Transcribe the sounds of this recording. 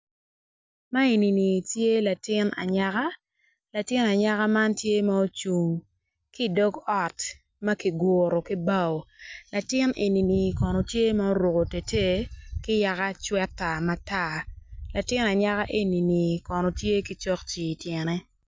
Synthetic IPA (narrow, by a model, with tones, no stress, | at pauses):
ma˦e˨ni˨ni˨tje˦la˨tɪ˦na̰˨ɲa˦ka˦ | la˨tɪ˦na˨ɲa˦ka˦ma˦ntje˦ma˦o˦t͡ʃu˨ŋ | ki˦dɔ˦ɡɔ˨t | mɐ˦ki˨ɡwo˨ɾo˨ki˦ba˦˨o˨la˨tɪ˦ne˨ni˨ni˨kɔ˨nɔ˨tje˦ma˦o˦ɾo˨ko˨te˨te˦kɪ˦ja˨ka˦t͡ʃwɛ˦tːa˨ma˨ta˦la˨tɪ˦na˨ɲa˦ka˦ʔe˦ni˨ni˨kɔ˨nɔ˨tje˦ki˦t͡ʃɔ˦kt͡ʃi˨tjɛ˨nɛ˦